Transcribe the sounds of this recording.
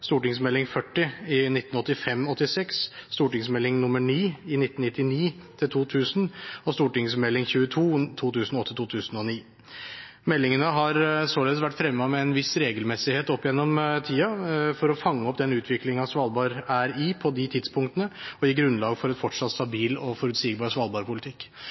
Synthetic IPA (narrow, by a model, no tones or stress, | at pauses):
st̪uːʈɪŋsmɛlːɪŋfœʈːɪɪnɪt̪nɔt̪ːɪfɛmːɔt̪ːɪsɛksst̪uːʈɪŋsmɛlːɪŋnʊmːəɳiːɪnɪt̪ːənnɪt̪ːɪniːt̪ʰɪlt̪ʰuːt̪ʰʉːsnɔst̪uːʈɪŋsmɛlːɪŋçʉːət̪ʰuːt̪ʰuːt̪ʰʉːsn̩ɔt̪ːət̪ʰuːt̪ʰʉːsn̩ɔniː | mɛlːɪŋənəɦɑɾsoːleːd̪əsʋæʈːfɾɛmːəɑmɛɛnʋɪsɾeːɡəlmɛsɪheːt̪ɔpːjɛnːɔmt̪ʰiːɑfɔɾɔfɑŋːəɔpd̪ɛnʉːt̪ʰʋɪklɪŋɑsʋɑlbɑːɾæɾiːpʰɔd̪ɪt̪ʰɪd̪spʰʊŋkt̪ənəɔjɪːɡɾʉnlɑːɡfɔɾɛnfɔʈʂɑt̪ːst̪ɑbiːlɔfɔɾʉt̪siːɡbɑːɾsʋɑːlˠbɑːɾpʰʊlɪt̪ʰɪkː